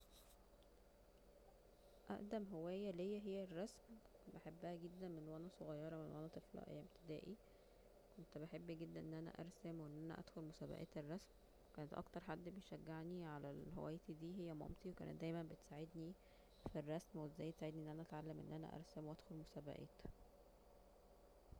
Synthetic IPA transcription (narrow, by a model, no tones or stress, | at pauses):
ʔæ̰ʔd̪æmɦowæːjːælejːæɦejːærˤːɑsmbeħebːæhæɡed̪ːænmenwænæsoɣɑjːɑɾˤɑmenwʔænæt̪ˤeflɑ̰ʔæ̰jːæmbt̪ʰed̪æ̰ːʔi | kont̪beħebːæɡed̪ːænʔenːʔænæ̰ʔɑ̰ɾˤsæmwenːʔænæ̰ʔæ̰d̪xolmosæːbæ̰ʔæ̰ːt̪erˤːɑsm | ekæːnet̪ʔɑ̰kt̪ɑɾˤħad̪ːbejʃæɡːeʕniʕalælɦo̰wæ̰jt̪id̪iːɦejːæmɑ̰mt̪ˤiwekæ̰ːnet̪̚d̪æjmæmbet̪saʕed̪ni | firˤːɑsmwezːæjːet̪saʕed̪niʔenːʔænæʔæt̪ʕalːæmʔḛnːʔænæ̰ʔɑ̰ɾˤsæmwʔæd̪xolmosæbæ̰ʔæ̰ːt̪